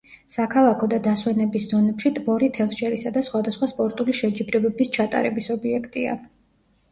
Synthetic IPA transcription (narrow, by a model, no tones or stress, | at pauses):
sakʰalˠakʰɔd̪ad̪aswɛnɛbiszɔnɛpʃit̪ʼmɔɾit̪ʰɛlˠʃɛɾisad̪asχwad̪asχwaspʼɔɾt̪ʼuliʃɛd͡ʒibɾɛbɛbist͡ʃʰat̪ʼa̰ɾɛbisɔbiɛkʰt̪ʼia̰